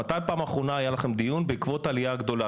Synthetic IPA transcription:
at̪ajpaːmaːχʁo̞naajalaχemd̪ijunbeikvo̞t̪alijaɡd̪o̞la

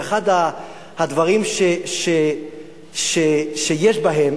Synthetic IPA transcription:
χad̪a | had̪vaʁimʃeʃe | ʃeʃejeʃbaɦem

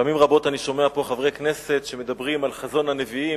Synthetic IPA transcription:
amimʁabo̞taniʃo̞meapo̞χavʁejkne̞se̞tʃe̞me̞d̪abʁimalχazo̞nhane̞vii

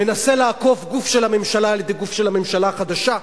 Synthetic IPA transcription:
me̞nase̞laːko̞fɡufʃelhame̞mʃalaːljed̪e̞jɡufʃelhame̞mʃalaχad̪aʃa

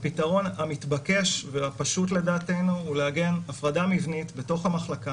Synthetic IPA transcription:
pitaʁo̞namitbake̞ʃveapaʃutle̞daːte̞jnuuleaɡe̞nafʁadamivnitbe̞to̞χhamaχlaka

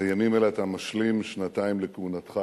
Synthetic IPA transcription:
ajamimeleat̪amaʃlimʃnataimlekeunat̪χa

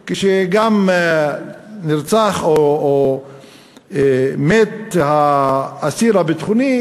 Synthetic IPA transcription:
kiʃeɡam | niʁt͡saχo | met̪haː | siɾabet̪χuni

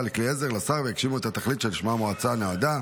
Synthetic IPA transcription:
lekliezeʁlasaʁveekʃimuet̪at̪aχlit̪ʃeliʃmamoat͡sanead̪a

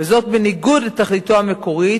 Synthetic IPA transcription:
vezo̞t̪̚beniɡudet̪aχlit̪oameko̞ʁi

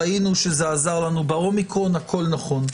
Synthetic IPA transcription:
ainuʃezeazaʁlanubaomikʁonhakʰo̞lnaχo̞n

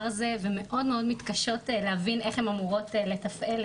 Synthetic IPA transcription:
ʁzeveme̞ʔo̞dmeo̞dmit̪kaʃo̞tlehavine̞χhemamuʁo̞tle̞t̪afel

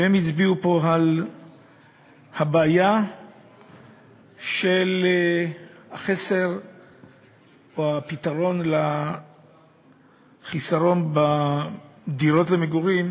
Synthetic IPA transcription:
emit͡sbiupo̞ɦal | habeːja | ʃel | haχese̞ʁ | ohapitaʁo̞nla | χisaʁo̞nba | diʁo̞tlemeɡuʁim

